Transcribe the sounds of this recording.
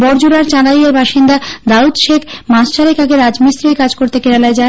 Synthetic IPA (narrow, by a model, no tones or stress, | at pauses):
bɔɾd͡ʑuɾaɾt͡ɕalaieɾbaʃind̪ad̪aud̪ʃekʰmasʃaɾekaɡeɾad͡ʑmisɾejkad͡ʑkoɾt̪ekeɾalaed͡ʑae